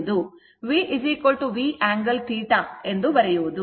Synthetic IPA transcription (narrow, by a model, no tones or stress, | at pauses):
d̪u | ʋiːʔiziːkolʈuʋiːʔaːŋɡɐlt̪ʰiːʈae̞nd̪uʋɐɾɛjuʋud̪u